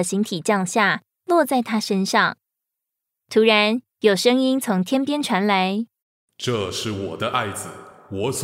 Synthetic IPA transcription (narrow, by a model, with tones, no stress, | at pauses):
ə˩ɕi˧˥ŋt̪ʰi˨˩t͡ɕjɑ˥˧ŋɕja˥˩ | lwɔ˥˧t͡sa˥˩ɪt̪ʰa˥ʂə˥nʂɑ˥˩ŋ | t̪ʰu˧˥ɻa˧˦n | jo˨˩ʊʂɤ˥ŋi˥nt͡sʰʊ˧˥ŋt̪ʰjɛ˥npjɛ˥nʈ͡ʂʰwa˧˥nla˧˦ɪ | ʈ͡ʂɤ˥˧ʂɻ̩˥˩wɔ̰˨˩d̪ə˦ʔa˥˩ɪd͡z̩˩wɔ˧˦s